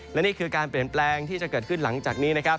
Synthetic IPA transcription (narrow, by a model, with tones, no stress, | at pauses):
lɛ˦˥niː˥˩kʰɯː˧kaː˧npli˨˩ənplɛː˧ŋt̪ʰiː˥˩t͡ɕa˨˩kɤː˨˩t̪kʰɯ˥˩nla˩˦ŋt͡ɕaː˨˩k̚niː˦˥na˦˥kʰa˦˥p̚